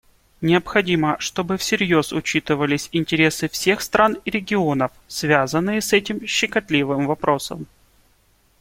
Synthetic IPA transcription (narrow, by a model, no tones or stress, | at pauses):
nʲɪəpxɐdʲiməʂt̪o̞bɨfsʲɪɾʲjo̞sʊ̰t͡ɕit̪ɨvəlʲɪsʲɪnʲtʲɪɾʲe̞sɨfsʲe̞xst̪ɾʔanɪɾʲɪɡʲɪonəfsvʲazənːɨjɪsɛtʲɪmɕːɪkɐt̪lʲivɨmvɐpɾo̞sə̰m